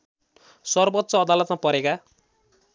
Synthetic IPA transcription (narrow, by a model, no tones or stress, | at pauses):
sʌrbʌt̪ːsʌːd̪alʌt̪mapʌɾeka